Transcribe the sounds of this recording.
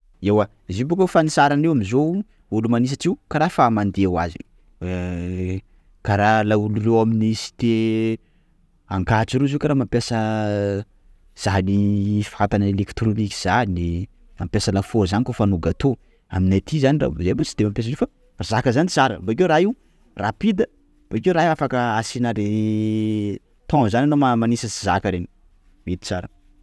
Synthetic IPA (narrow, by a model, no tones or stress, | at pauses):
ewa | zibokefanisaɾanewamizo | ulumanis̬aʈ͡ʂiwkaɾafamand̪eawa̰zḭ | kaɾalaulurewaminisi̥t̪e | aŋkat͡siɾuziwkaɾamampjasə | z̥anifat̪anəelekt̪ɾoniki̥z̥ani | mampʲasəlafozanikofanuɡat̪o | a̰minat̪ʰizanira̰zebat͡si̥d̪̥emampjesəzefa | razakəzanit͡saɾə̰baik̬ewɾaiw | rapid̪ə | b̥aikewɾaɦiafakəasinaɾe | t̪ɔ̃zananomamanisəsizakəɾeni̥ | met̪i̥t͡saɾə